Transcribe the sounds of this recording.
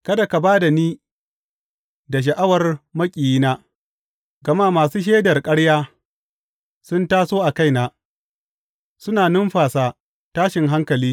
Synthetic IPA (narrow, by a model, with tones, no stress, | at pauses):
kɐ˦da˨ka˨baː˦da˨niː˦ | da˨ʃ̬ɐ˨ʔa˦wɐ˨rmɐ˦kʲʼiː˨jiː˦naː˦ | ɡɐ˨ma˦˨maː˨suː˦ʃ̬eː˦dɐ˨rkʼɐ˦ɽjaː˦ | sʊ˦ntaː˦soː˦ʔa˨ka˦jnaː˨ | sʊ˦naː˨nʊ˦mɸaː˨saː˦˨ | taː˦ʃɪ˨ŋɦa˦ŋkɐ˨liː˦